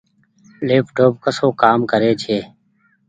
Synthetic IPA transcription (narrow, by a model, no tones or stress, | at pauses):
leːpɖʱoːb̚kəsoːkaːmkəɾeːt͡ʃʰeː